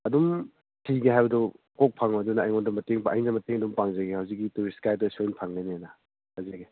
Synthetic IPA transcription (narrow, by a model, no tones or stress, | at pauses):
ɐdum | tʰiɡeɦajbɐdu | kok̚pʰaŋɐdunɐːjŋondɐmɐteŋpaɐ̰jnɐmɐteŋɐdumpaŋzɐɡehawzik̬̚ːituɾiskajtɐsojnpʰaŋlenenɐ | hɐzeɡe